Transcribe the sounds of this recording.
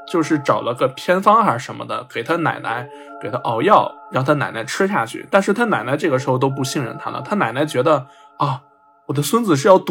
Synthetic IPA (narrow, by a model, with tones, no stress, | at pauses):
t͡ɕjo˥˧ʊʂɻ̩˥˩ʈ͡ʂɑ˨˩ʊlə˦ɡə˧pʰjɛ˥nfɑ˥ŋa˧˥ʂə˧˥nmə̰˧d̪ə̰˩ke˨˩ɪt̪ʰa˥na̰˨˩ɪna̰˧˥ɪ | ke˨˩ɪt̪ʰa˥ʔɑ˧˩ʊjɑ˥˩ʊɻɑ˥˩ŋʊt̪ʰa˥na˨˩ɪna˧˥ɪʈ͡ʂʰɻ̩˥ɕ̬ja̰˥˧t͡ɕʰy̰˥˩t̪a˥˧nʂɻ̩˥˩t̪ʰa˥na˨˩ɪna˧˥ʈ͡ʂɤ˥˩ɡə˩ʂɻ̩˧˥xo˧t̪̬o˥ʊp̬u˥˧˩ɕi˥˧ŋɻə̰˥˩nt̪ʰa̰˥lə̰˨t̪ʰa˥na˨˩ɪna˧˥ɪt͡ɕɥɛ˧˥d̪ə˧ | ɐ˥˩ | wɔ˨˩d̪ə˦swə˥nd͡zɹ̩˩ʂ̬ɻ̩˥˧jɑ˥˩ʊt̪